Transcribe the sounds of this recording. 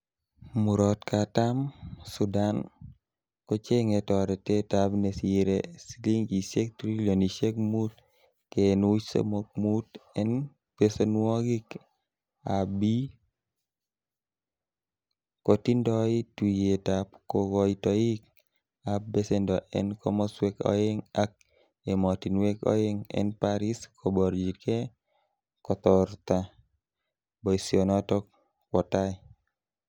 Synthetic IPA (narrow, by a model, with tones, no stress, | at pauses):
mu˨ɾɔtkatamsudan | kɔ˦t͡ʃe˦ŋetɔɾɛte˦tabne˨siɾesili˦ŋi˨se˦k̚tɾi˦loniʃe˦kmu˦t | kenu˦sḛmok̚mutɛn | pesenwɔ˦ɡik | abi˦ | ko˨ti˦ndɔ˦i˦twi˨je˨tapko˦ɡɔ˨itɔji˦k | a˨p̚ːbe˦se˦ndɔ˨ʔɛ̰˨nkɔ˦mɔ˦swe˦kɔ̰˦ɪ˦ŋa˦k̚ | e˨mɔ˨ti˨nwe˦kɔ̰˦ɪ˦ŋɛ̰npaɾi˦skʰɔ˨bɔ˨ɾd͡ʒi˨kɛ˦ | kɔ˨t̪ɔ˨rt̪a˨ | bɔ˨isjɔ˨nɔ˦tɔ˦k̚ | wɔ˨ta˦ɪ˦